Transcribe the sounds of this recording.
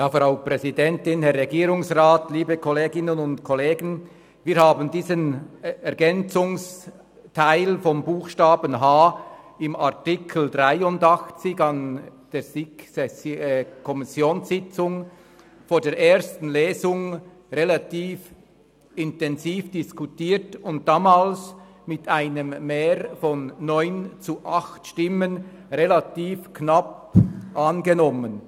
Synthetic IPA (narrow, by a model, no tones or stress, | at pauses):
jaːfɾaʊprɛzidɛntɪnhɛɾːɛɡiːɾʊŋsraːtliːbəkʰɔleːɡɪnənʊntkʰɔleːɡən | viːɾhaːbəndiːzənɛɾɡɛnt͡sʊŋs | tʰaɪlfɔmbuːxʃtaːbənɦaː | ɪmaʁtɪkʰl̩dʁaɪʊndɑxt͡sɪçɑnd̥eːsɪɛskʰɔmɪsjoːnsɪt͡sʊŋ | foːɾdeːɐɾʔeːɐstn̩leːzʊŋ | ʁelatiːf | ɪntɛnziːfd̥ɪskutiːtʊnt̚d̥aːmaːls | mɪtʰaɪnəmːeːɾfɔnːɔʏnt͡suʔaxtʃtɪmən | ʁelatiːfkʰnap | ʔanɡenɔmən